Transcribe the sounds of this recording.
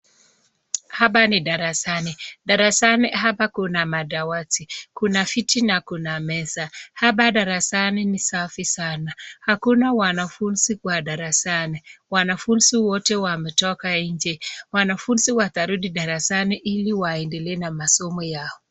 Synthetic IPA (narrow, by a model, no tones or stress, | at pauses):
habanidaɾasanidaɾasaniɦabakunamadawatikunafitinakunamɛsahabadaɾasaninisafisanahakunawanafunsikwadaɾasaniwanafunsiwɔtɛwamɛtɔkaiɲd͡ʒewanafunsiwataɾudidaɾasaniʔiliwaɛndɛlɛnamasɔmɔjaɔ